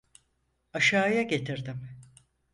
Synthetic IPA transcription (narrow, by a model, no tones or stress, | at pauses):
aʃaːjaɟe̞t̪ʰiɾd̪im